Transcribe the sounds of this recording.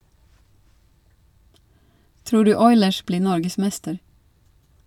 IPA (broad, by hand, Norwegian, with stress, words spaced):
ˈtɾuː ˈɖʉː ˈɔʏləʃ ˈbliː ˈnɔɾɡəˌsmɛstəɾ